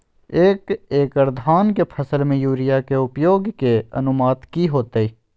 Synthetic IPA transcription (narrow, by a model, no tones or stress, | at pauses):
eːkeːkəɾd̪ʱaːnkepʰəsəlmẽjuːɾɪjakeʊpjoːɡkeə̰nʊmaːt̪kiɦoːt̪eiː